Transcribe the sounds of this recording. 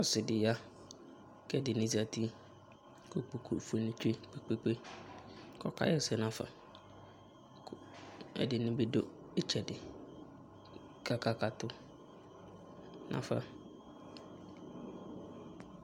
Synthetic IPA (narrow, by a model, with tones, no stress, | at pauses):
ɔ˦sɪ˨dɪ˨ja˦ | kʰɛ˦dɪ˨nɪ̃˦za˨tʰi˦ | kʰo˦k͡po˨kʰo˨fu˦e˨nɪ̃˦t͡ʃʰᶣɾi˦k͡pe˦k͡pe˦k͡pe˦ | kʰɔ˦kʰa̰˦jɛ˦˨sɛ˨nã˨˦fa̰˨ | ɛ̰˨dɪ˨nʊ̃˦be˨˦do˦ | e˦t͡ʃʰɛ˨dɪ˨ | kʰa˨kʰa˨kʰa˨tʊ˦ | nʔã̰˨fa̰˨